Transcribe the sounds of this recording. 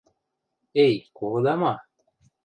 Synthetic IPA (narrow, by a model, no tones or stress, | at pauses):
ejkod̪ama